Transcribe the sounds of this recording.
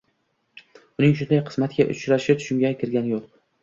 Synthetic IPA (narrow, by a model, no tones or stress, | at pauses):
ʊnɪŋʃ̬ʊnd̪ajqʰɨ̥smat̪ɡʲaʔʊ̰t͡ʃɾaʃɪt̪ʰʊ̥ʃʊmɡʲakʲʰɪɾɡʲanjoq